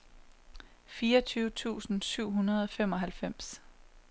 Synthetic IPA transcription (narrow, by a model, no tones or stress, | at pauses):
fiːʌt͡sʰyːʊət͡sʰṵːsn̩syʊ̰ɦunɐðˠɒ̽fem̰ɒ̽ɦælfem̰s